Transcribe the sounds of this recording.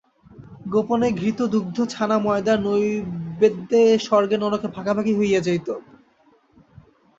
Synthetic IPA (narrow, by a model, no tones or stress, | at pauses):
ɡoponeɡʱɾit̪od̪uɡ̚d̪ʱot͡ɕʰanamɔed̪anojbed̪ːeʃɔɾɡenɔlokebʱakabʱakiɦojad͡ʑajt̪o